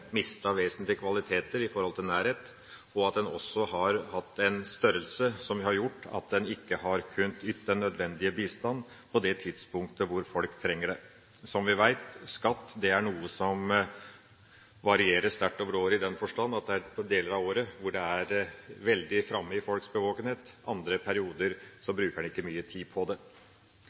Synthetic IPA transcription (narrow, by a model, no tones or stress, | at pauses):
mɪst̪əʋeːsənt̪lɪəkʰʋɑlɪt̪ʰeːt̪əɾɪfɔɾhɔlt̪ʰɪlnæːɾheːt̪ | ɔɑt̪̚d̪ɛnɔ̰sːɔɦɑɾhɑt̪ːɛnst̪œɾəlsəsɔmʋɪhɑɾjʊʈːɑ̰t̪̚d̪ɛnɪkːəhɑɾkʰʉnːt̪ʏt̪ːəɳœd̪ʋɛnd̪ɪəbiːst̪ɑnː | pʰɔd̪ɛt̪ʰɪd̪spʊŋk̚t̪əʋʊɾfɔlkt̪ʰɾɛŋːəɖɛ | sɔmʋɪʋæɪt̪skɑt̪ːd̪ɛæɳuːəsɔm | ʋɑɾɪeːɾəst̪æʈːɔːʋəɾoːɾɪd̪ɛnfɔʂʈɑnːɑt̪̚d̪ɛæpʰɔd̪eːləɾɑʋoːɾəʋʊɖɛæɾʋɛld̪ɪfɾɑmːəɪfɔlksbəʋoːkənheːt̪ʔɑnd̪ɾəpʰæɾɪuːd̪əɾsɔbɾʉːkəɛnɪkːəmyːət̪ʰiːdpʰɔd̪ɛ